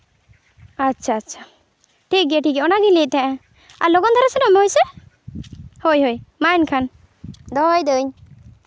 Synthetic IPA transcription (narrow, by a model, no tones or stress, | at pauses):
atːʃʰaːtːʃʰa | ʈʰik̚ɡɛʈʰikɛɔnaɡilit̚t̪ʰɛ̃ʔɛ̃ | a̰ɾlɔɡɔnd̪ʰʱaɾasɛnɔmɛojsɛ | hojɦojmajnkʰan | d̪ɔjd̪eɲ